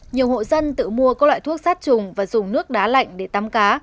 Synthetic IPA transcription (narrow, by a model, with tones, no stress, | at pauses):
ɲi˨˩əwho̰˧˨zə˧nt̪ɨ̰˧˨mu˧əkɔ˨˦lwa̰ː˧˨jt̪ʰu˦˥ək̚saː˦˥t̚t͡ɕʊ˨˩ŋ͡mvaː˨˩zʊ˨˩ŋ͡mnɨ˦˥ək̚ɗaː˨˦la̰˧˨jŋ̟ɗe˧˩t̪a˨˦mkaː˨˦